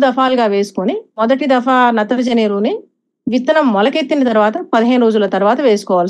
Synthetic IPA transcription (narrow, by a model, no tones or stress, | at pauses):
d̪ɐfaːlɡaːʋe̞ːsu̥konimɔd̪ɐʈid̪ɐfaːnɐt̪ːɐɾɐd͡ʒɐneːɾuːni | ʋit̪ːɐnɐmːɔlɐket̪ːinɐt̪ɐɾuʋaːt̪ɐpɐd̪iɦeːnuɾoːd͡ʒulɐt̪ɐɾuʋaːt̪ɐʋe̞ːsu̥kɔːʋaːl